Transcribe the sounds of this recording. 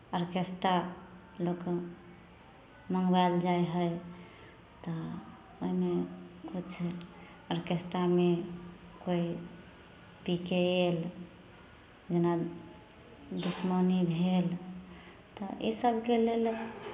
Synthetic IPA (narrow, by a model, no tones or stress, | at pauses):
əɾkesʈɾa | lok | məŋɡbald͡ʒajɦəj | t̪ɔ | oimekut͡ʃʰ | əɾkesʈɾame | koi | pikeel | d͡ʒena | d̪usmənibʱel | t̪ɔ̰ḭsəbʱkelel